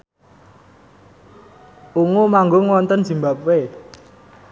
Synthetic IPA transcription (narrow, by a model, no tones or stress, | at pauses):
uŋomaŋɡoŋwɔnt̪ənz̥imbap̚we